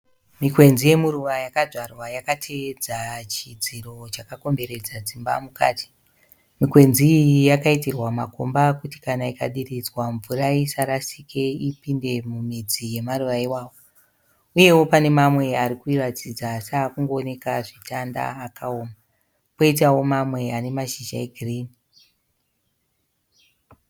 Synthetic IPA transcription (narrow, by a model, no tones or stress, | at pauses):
mikwe̞nzije̞muɾuʋajakaʐarwajakatʰed͡zat͡ʃid͡ziɾo̞t͡ʃakako̞mbe̞ɾe̞d͡zad͡zimba̰muka̰ːti̥ | mikwe̞nzijakaitirwamako̞mbakuti̥kanaika̰ɗirid͡zwaɱvuraisaɾasikʰe̞ipinde̞mumid͡zije̞maruʋaiwaːwo̞ | uje̞wo̞pane̞mamwe̞aɾikuirat͡sid͡zasaːkuŋɡo̞ːne̞kaʐitanda̰ːkao̞ːma | po̞itawo̞mamwe̞ane̞maʒiʒa̰eɡʱiriːni